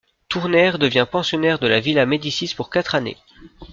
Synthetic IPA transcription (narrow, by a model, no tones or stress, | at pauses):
t̪uʁnɛʁd̪əvjɛ̃pɑ̃sjɔnɛʁd̪əlavilamed̪isispuʁkat̪χanḛ